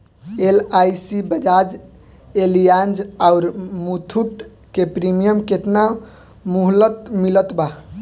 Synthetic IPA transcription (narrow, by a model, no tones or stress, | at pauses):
elajsibəd͡ʒad͡ʒ | elijand͡ʒaʊɾmut̪ʰuʈ | kepɾimijəmket̪na | muɦlət̪milət̪ba